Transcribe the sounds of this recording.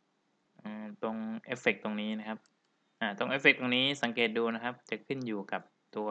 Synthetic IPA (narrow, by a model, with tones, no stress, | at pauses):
ʔɯː˧˨˩t̪o˧ŋʔeː˦˥fe˨˩k̚t̪o˧ŋniː˦˥na˦˥kʰa˦˥p̚ | ʔaː˧˩t̪o˧ŋʔe˦˥fe˨˩k̚t̪o˧ŋniː˦˥sa˨˩˦ŋkeː˨˩t̪̚duː˧na˦˥kʰa˦˥p̚t͡ɕa˨˩kʰɯ˥˩njuː˨˩ka˨˩p̚t̪u˧ɐ